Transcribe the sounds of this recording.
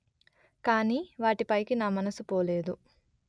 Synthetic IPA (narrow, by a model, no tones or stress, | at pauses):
kaːniːʋaːʈipɐjkinaːmɐnɐsupoːleːd̪u